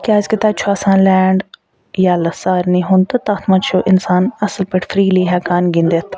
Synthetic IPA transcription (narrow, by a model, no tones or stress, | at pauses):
kʲaːzkit̪aːt͡ʃʰoaːsãːnlɛːɳɖ | jaːlɐsaːɾniːɦʊnt̪ɨt̪aːt̪ʰmãːt͡ʃʰoːʔɪnsaːnɐsəlpɪʈfʰɾiːliːɦɛːkaːnɡɪnd̪et̪ʰ